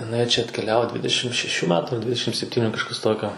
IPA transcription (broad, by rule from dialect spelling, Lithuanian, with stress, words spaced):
ɪˈnɐɪ t͡ʃʲɛ ɐtʲkʲɛˈlʲæːʋoː ˈdʲʋʲɪdʲɛʃʲɪm ʃʲɛˈʃʲuː ˈmʲæːtʊ ˈdʲʋʲɪdʲɛʃʲɪm sʲɛpʲˈtʲiːnʲʊ kɐʃˈkɐs ˈtoːkʲoː